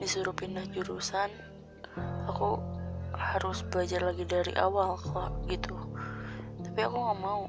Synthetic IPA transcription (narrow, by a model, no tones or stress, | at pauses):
disuɾupindahd͡ʒuɾusan | aku | haɾʊsbad͡ʒarlaɡidaɾḭʔa̰walkaɡit̪u | t̪apiakuŋamau